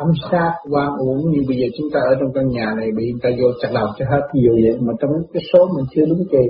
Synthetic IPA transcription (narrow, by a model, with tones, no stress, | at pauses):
a˧˩msaː˧˥t̚kaː˧ŋʔu˨˦əŋɲɨ˧˦ɓə˧jzəː˨˩t͡ɕʊ˨˦ŋ͡mt̪aː˧ʔəː˧˩t͡ɕɔ˧wŋ͡mka˧ŋɲaː˨˩na˨˩jɓə˧˨ɲɨ˧˩ŋt̪aː˧zo˧˩t͡ɕa˨˩ɗa˨˩k͡p̚t͡ɕɔ˧ɦaː˧˥t̚ːi˨˩əwjə˨˧˩mɔː˨˩t͡ɕa˧ŋ͡mɲɨ˦˧˦kaː˨˦jso˨˦mə̈˨˩ŋt͡ɕ̪ʰɨ˧əɗɨ˨˦ke˨˩